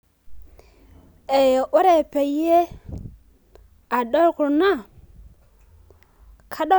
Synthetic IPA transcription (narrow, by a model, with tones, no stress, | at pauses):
e˨jʔo˦ɾe˨pe˨je˦ | a˨ɗo˦lku˨ɾna˦˨ | kʰa˦ɗo˦